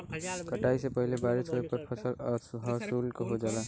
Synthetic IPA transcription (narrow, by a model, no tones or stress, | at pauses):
kəʈaːisepəɦɪlebaːɾisoɾepɐɾpʰɐsəlːɦɔsuːlkoɦod͡ʒaːla